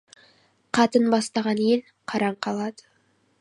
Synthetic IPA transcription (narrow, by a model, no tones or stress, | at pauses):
qʰɑt̪ənbɑst̪ɑʁɑnje̞l | qʰɑɾɑɴqʰɑlˠɑd̪ə̥